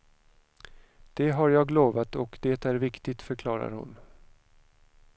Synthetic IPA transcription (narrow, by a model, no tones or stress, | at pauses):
d̪̥ɛɦaɾjɑːɡloːvat̪ɔkd̪eːt̪æɾvɪkt̪ɪt̪fœɾkʰlɑːɾa̰ɾhʊ̰n